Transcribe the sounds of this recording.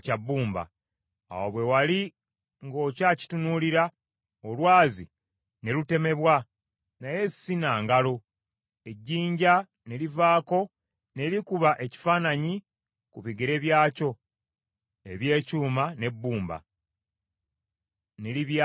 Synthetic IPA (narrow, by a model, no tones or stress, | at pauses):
cabːuːmba̰ː | woβwe̞wali | ŋɡo̞ːcaːci̥tunuːliɾa | olwaːzḭ | ne̞lute̞me̞βwa | naje̞sinaːŋɡalo̞ | e̞ɟːiːɲɟa | ne̞livaːko̞ | ne̞ɾikuβaʔe̞ci̥faːnaɲi | kuβiɡeɾe̞βjaːco̞ | eβje̞ːcuːmane̞bːuːmba̰ | ne̞liβ